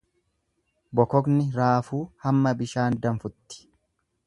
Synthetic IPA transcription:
bɔkɔɡnɪɾaːfuːhɐmːɐbɪʃaːnd̪ɐɱfʊt̪ːɪ̥

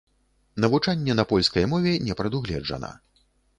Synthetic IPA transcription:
nɐvut͡ʂanʲːɛnɐpɔlʲskɐjmɔvʲɛnʲɛpɾɐd̪uɣlʲɛd͡ʐɐ̰nɐ̰

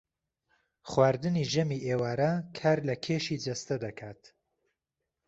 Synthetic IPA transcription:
χwaːɾd̪ɨniːʒɐmiʔeːwaːɾɐkʰaːɾlɐkʰeːʃid͡ʒɐst̪ɐd̪ɐkʰaːt̪

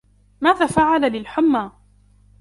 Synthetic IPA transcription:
maːðaːfaʕalalɪlħʊmːaː

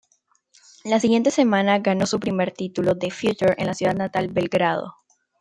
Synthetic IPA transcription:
lasiɣje̞nt̪e̞se̞mãnaɣano̞supɾime̞ɾt̪it̪ulo̞ðefjut͡ʃuɾe̞̰nlasjuðad̪nat̪albe̞lɡɾað̞o̰

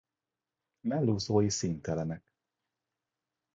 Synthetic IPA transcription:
mɛlːuːzoːjisint̪ɛlɛnɛk

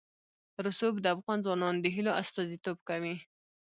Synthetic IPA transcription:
ɾʊsobd̪əafɣɑnzwɑnɑnd̪əɦiloast̪ɑzit̪obkawi

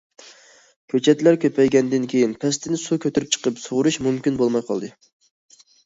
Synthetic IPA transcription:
kʲʰøt͡ʃʰɛt̪læɾkʲøpɛjɡʲɛnd̪ɪnkʲʰejinpʰɛst̪ʰɪnɪsukʲʰøt̪ɪɾp̚t͡ʃʰə̥qʰəpsoʁʊɾuʃmumkʲinbolˠmɑjqʰɑ̰lˠd̪ɨ

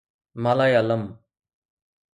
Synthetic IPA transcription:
malaːjaləm

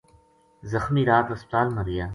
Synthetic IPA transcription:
zɐxmiːɾaːt̪ɐsp̚t̪aːlmɐɾija

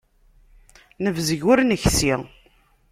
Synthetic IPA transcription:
nəvzəʝʊɾnəçsi

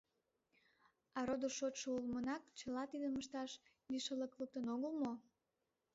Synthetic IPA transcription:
ɑɾod̪oʃot̪ʃoulmənɑkt͡ɕəlɑt̪id̪əməʃt̪ɑʃ | biʃələklək̚t̪ənoɣəlmo

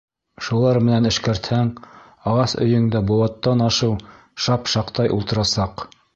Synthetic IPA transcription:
ʃulˠɑɾmɘ̆nænɘ̆ʃkæɾt̪hæŋ | ɑʁɑsɵ̰̆jɘ̆ŋd̪æbuwɑt̪ːɑnɑʃɤw | ʃɑpʃɑqt̪ɑjʔṵlˠt̪ɤ̆ɾɑsɑq

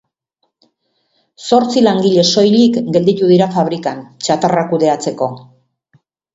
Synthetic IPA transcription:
so̞ɾt͡silaŋɡiʎe̞so̞jʎikɡe̞ld̪it̪uðiɾafaβ̞ɾikant͡ʃat̪arakuðe̞at͡se̞ko̞

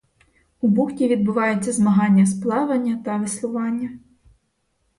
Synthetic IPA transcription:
ubuxtʲiʋʲid̪bʊʋɑjet͡sʲːɐzmɐɦɑnʲːɐsplˠɑʋɐnʲːɐt̪ɐʋɪslˠʊʋɑnʲːɐ

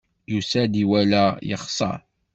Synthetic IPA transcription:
jusæd̪iwælæjə̰χsˤɑ̰ɾ

